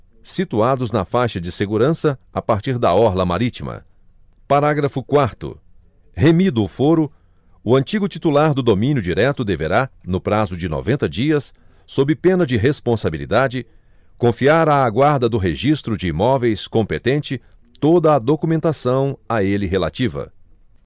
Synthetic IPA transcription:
sit̪uad̪ʊznɐfajʃɐd͡ʒɪseɡuɾɐ̃sɐapaɾt͡ʃiɾd̪ɐɔɾlɐma̰ɾit͡ʃimɐ̰ | paɾaɡɾɐfʊkwaɾt̪ʊ̰ | ɦemid̪ʊːfoɾʊ | ʊɐ̃nt͡ʃiɡʊt͡ʃit̪ulaɾd̪ʊd̪omĩnjʊd͡ʒiɾɛt̪ʊd̪eveɾanʊpɾazʊd͡ʒɪnɔ̰vẽnt̪ɐd͡ʒiɐsː | obɪpẽnɐd͡ʒɪɦespõsabilḭd̪ad͡ʒɪ | kõfiaɾaːɡwaɾd̪ɐd̪ʊɦeʒist̪ɾʊd͡ʒɪːmɔvejskõmpet̪ẽnt͡ʃɪ | t̪od̪ɐːd̪okumẽnt̪asɐ̃w̃aelɪɦela̰t͡ʃivɐ̰

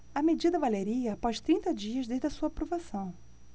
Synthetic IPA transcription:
ɐmed͡ʒid̪ɐvaleɾiɐpɔʃt̪ɾĩnt̪ɐd͡ʒiɐzd̪eʒd̪ɐsuɐapɾovasɐ̃w̃

